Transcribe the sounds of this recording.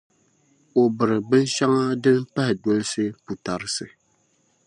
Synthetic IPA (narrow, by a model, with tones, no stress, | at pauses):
o˨bɨ˨ɾɨ˨bɨ˦n˦ʃa˦ŋa˦dɨ˦mpɛ˦hɪ˨do˦lɨ˦sɨ˦pu˨ta˨ɾɨ˦sɨ˨